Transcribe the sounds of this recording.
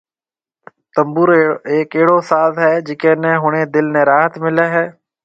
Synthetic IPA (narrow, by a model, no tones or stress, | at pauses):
t̪əmbuːɾeːkeːɽoːsaːzɦɛːd͡ʒɪkeːnɛ̃ːɦʊɽ̃eːd̪ɪlnɛ̃ːɾaːɦət̪mɪleːɦɛː